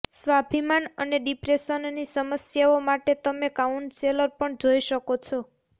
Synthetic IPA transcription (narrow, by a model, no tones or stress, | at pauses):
sʋabʱimanəneɖipɾesənːisəməsjaomaʈet̪əmekauɳɖseləɾpəɳd͡ʒojʃəkot͡ʃʰɔ